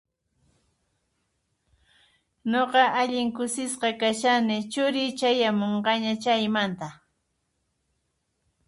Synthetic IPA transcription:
noqɑʔaʎɪŋkʊsɪsqɑkaʃanɪt͡ʃʊɾɪt͡ʃajamoɴɢɑɲat͡ʃajmant̪a

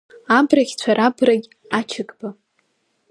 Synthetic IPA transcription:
abraχʲt͡sʷʰaɾabraɡʲ | at͡ʃʰɪɡʼba

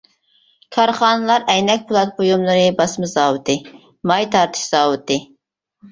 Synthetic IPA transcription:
kʰɑɾχɑːnɨlˠɑɾɛjnɛkʲpʰulˠɑt̪̚bojumlˠɨɾɨbɑsmɨzɑːwɨt̪ɨ | mɑjt̪ʰɑɾt̪ʰɨ̥ʃz̥ɑːwɨt̪ɨ

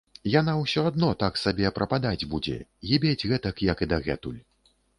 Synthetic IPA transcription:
janawsʲɔad̪nɔt̪aksabʲɛpɾɐpad̪ad͡zʲbud͡zʲɛ̰ɣʲibʲed͡zʲɣɛt̪ɐkjɐkid̪ɐɣɛt̪ulʲ

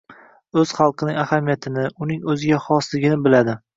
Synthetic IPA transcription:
ɵz̥χɑlˠqʰɨnɪŋʲahamijat̪ʰɪnɪʔʊnɪŋɵzɪɡʲaχɒslɪɡʲɪnɪbɪlad̪ɪ

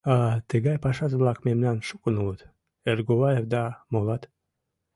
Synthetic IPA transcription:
ɑt̪əɡɑjpɑʃɑzblˠɑkmemnɑnʃukənulət̪ | erɡoβɑjevd̪ɑmolɑt̪

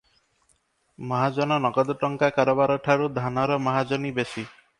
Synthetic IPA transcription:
mɔɦad͡ʒɔnɔnɔɡɔd̪ɔʈɔŋkakaɾɔbaɾɔʈʰaɾud̪ʱanɔɾɔmɔɦad͡ʒɔnibesi

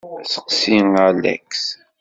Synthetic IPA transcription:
sə̥qsiŋælæ̰ks

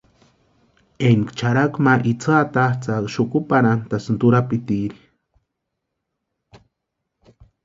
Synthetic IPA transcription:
enkt͡ʃaɾakmaʔit͡sat̪at͡sakʃukupaɾant̪asnt̪uɾapit̪iɾi

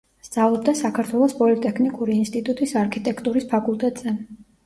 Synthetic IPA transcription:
sd̪z̥alˠɔb̚d̪asakʰaɾt̪ʰwɛlˠɔspʼɔlit̪ʼɛkʰnikʼuɾiːnst̪ʼit̪ʼut̪ʼisaɾkʰit̪ʼɛkʰt̪ʼuɾispʰakʼulˠt̪ʼɛt̪ʼz̥ɛ

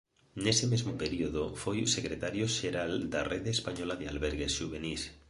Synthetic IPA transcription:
ne̞semezmope̞ɾioðofojuse̞kɾet̪aɾjoʃeɾald̪arʔeðeːspaɲolaðea̰lβeɾɣesʃuβ̞e̞nis

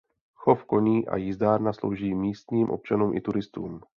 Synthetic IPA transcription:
xofko̞ɲiːʔa̰jɪzd̪aːɾnaslo̰wʒiːmiːst̪ɲiːmʔo̰p̚t͡ʃanuːmʔɪ̰t̪uɾɪst̪uːm

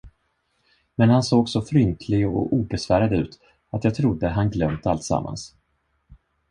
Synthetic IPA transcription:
mɛnhansoːɡsɔfɾʏnt̪ʰlɪɡɔ̰ʔuːbɛsvæːɾad̪əʉ̟ːt̪ | at̪jɑːt̪ʰɾʊd̪ːəɦanɡlœmt̪a̰lt̪sa̰mːa̰ns

